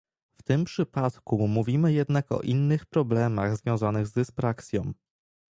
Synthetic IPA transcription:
ft̪ɘmpʂɘpat̪kumuvʲimɘjɛd̪nakɔ̰ʔinːɘxpɾɔblɛmaɣzvʲjɔ̃w̃zanɘɣzd̪ɘsfɾaksʲjɔ̰̃w̃

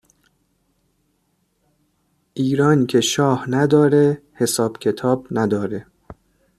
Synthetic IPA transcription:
ʔiːɾɒːncʰe̞ʃɒːhnæd̪ɒːɾehe̞sɒːb̥cʰe̞t̪ʰɒːbnæd̪ɒːɾe̞

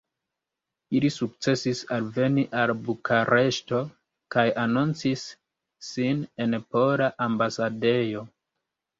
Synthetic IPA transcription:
ilisuk̚t͡se̞sisalve̞niʔalbukʰaɾe̞ʃto̞ | kajanunt͡sisː | ine̞npo̞ɾaʔambasade̞jo̞

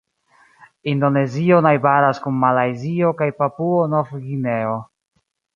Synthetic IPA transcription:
indo̞ne̞zio̞najbaɾaskunmalajzio̞kajpapuonofɡine̞o

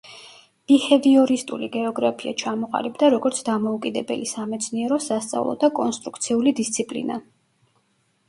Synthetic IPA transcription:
b̥ihɛviɔɾist̪ʼṵliɡɛɔɡɾapʰia̰t͡ʃʰamɔqʼa̰libd̪aɾɔɡɔɾt̪sʰd̪amɔukʼid̪ɛbɛ̰lisamɛt̪sʰniɛɾɔsast̪sʼa̰vlˠɔ̰d̪akʼɔnst̪ʼɾukʰt̪sʰiulid̪ist̪sʰipʼlḭna

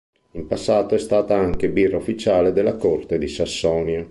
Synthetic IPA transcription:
impasːaːt̪oɛst̪aːt̪aaŋk̟ebirːaufːit͡ʃaːled̪elːakort̪ed̪isasːɔːnjo

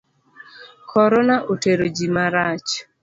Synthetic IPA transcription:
kʰɔɾɔnaʔoteɾod͡ʒimaɾat͡ʃ

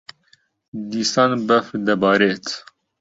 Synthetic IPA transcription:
d̪iːsɑːnbɐfd̪ɐbɑːɾet̪

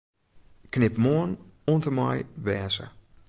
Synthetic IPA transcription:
knɪpmoənuəntəmɔ̰jʋɛːsə̰

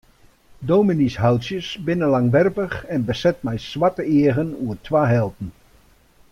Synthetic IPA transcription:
dowminisɦawtsjəsbɪnəlaŋʋɛrpəxɛnbəsɛt̚mɛjsʋatəɪəɣənuətʰʋaːɦɛlˠtn̩

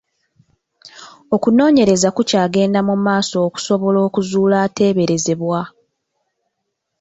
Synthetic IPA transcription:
o̞kuno̞ːɲe̞ɾe̞zakucaːɡe̞ːndamumaːso̞ːku̥so̞βo̞lo̞ːkuzuːlaːte̞ːβe̞ɾe̞ze̞βwa

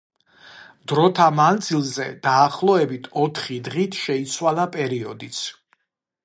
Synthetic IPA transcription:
d̪̥ɾɔt̪ʰamand̪zilˠzɛ̰d̪̥aːχlˠɔɛbit̪ʰɔt̪ʰχid̪ʁit̪ʰʃɛit̪sʰwalˠapʼɛɾiɔd̪it̪sʰ

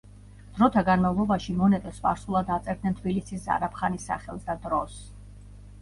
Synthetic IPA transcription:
d̪̥ɾɔt̪ʰaɡanmavlˠɔbaʃimɔnɛt̪ʼɛsva̰ɾsulˠad̪at̪sʼɛɾd̪nɛnt̪ʰbilisisza̰ɾapʰχanisːa̰χɛ̰lˠsd̪ad̪ɾɔs

